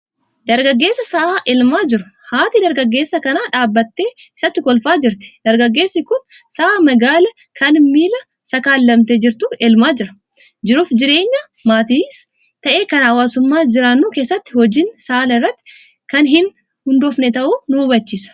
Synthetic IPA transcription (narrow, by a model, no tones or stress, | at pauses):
d̪ɐɾɡɐɡːe̞ːsːɐsɐʔaːʔɪlmaːd͡ʒɪɾʊ̥haːt̪ɪd̪ɐɾɡɐɡːe̞ːsːɐkɐnaːᶑaːbːɐt̪ːe̞ː | ɪsɐt̪ːɪkɔlfaːd͡ʒɪɾt̪ɪ̥d̪̥ɐɾɡɐɡːe̞ːsːɪkʊn | sɐʔaːmɐɡaːlɐ | kʰɐnmiːlɐ | sɐkaːlːɐmt̪ed͡ʒɪɾt̪uɪlmaːd͡ʒɪɾɐ̥ | d͡ʒɪɾuːfd͡ʒɪɾe̞ːɲːɐ | maːt̪iːs | t̪ɐʔe̞ːkɐnɐwaːsʊmːaːd͡ʒɪɾaːnːuːkeːsːɐt̪ːɪhɔd͡ʒɪnsaːlɐɪrːɐt̪ːɪ̥ | kɐnɦɪn | hʊnd̪oːfnɛt̪ɐʔuːnʊʊbɐt͡ʃːiːsɐ̥